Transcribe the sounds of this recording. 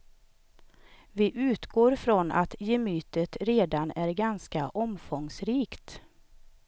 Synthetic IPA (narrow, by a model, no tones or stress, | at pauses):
vɪʔʉ̟ːt̪ɡoːɾfɾɔna̰t̪jɛmyːt̪ət̪ɾeːd̪anæɾɡanskaʔɔmfɔŋsɾiːkt̪